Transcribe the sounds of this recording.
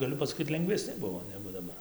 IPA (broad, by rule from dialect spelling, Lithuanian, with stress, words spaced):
ɡɐˈlʲʊ pɐsɐˈkʲiːt lʲɛŋɡʋʲɛˈsʲnʲɪ ˈbʊʋoː ˈnʲæːɡʊ dɐˈbɐr